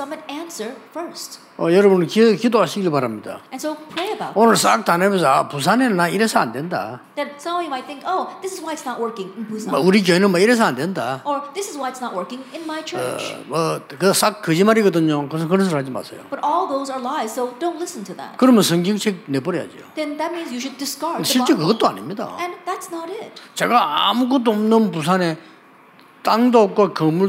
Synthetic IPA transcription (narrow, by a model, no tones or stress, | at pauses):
sʌ̃mɨ̃næ̃nsə˞fɜ˞st̚ | ʌjʌɾʌbunkikidoaɕʰiɡiɾɭpaɾamɲida̰ɨ̃nsoʊpʰɹ̥eɪɨbaʊtonɯɭsak̚t̪anemes̬ʰʌapusʰanennaiɾesʰaa̰ndenda̰ | ðɨt̚sʌ̃mʌ̃imaɪt̪̚θɪ̃ŋkoʊðɪsɨzwaɪɨtsnət̚wɜ˞kɪ̃ŋnbuzmauɾik̬jʌjnɯnmaiɾes̬ʰʌandendaə˞ðɪsɨzwaɪɨtsnət̚wɜ˞kɪ̃ŋɪ̃nmaɪt͡ʃʰə̰t͡ʃmʌkɯsakːɯd͡ʑimaɾiɡʌdɯɲokɯs̬ʰʌkɯɾʌns̬ʰɯɾɦad͡ʑima̰sʰejo̰b̥ʌɾʔɔlˠðoʊzə˞laɪz̥soʊdõʊ̃ntˡlɪsn̩tʰɨðæ̰t̚kɯɾʌmjʌnsʰʌŋɡiŋt͡ɕʰek̚nepʌɾeja̰d͡ʑio̰ðɛ̃nðæt̚mĩnzjɨʃʊdɨskɑɹɕʰit͡ɕ͈ekɯɡʌtt͈oa̰nḭmɲida̰ɨ̃nðætsnəɾɪt̚t͡ɕeɡaa̰muɡʌt̪͈ːoʌmnɯnpus̬ʰane | t̪aŋdok͈wakɯmuɭ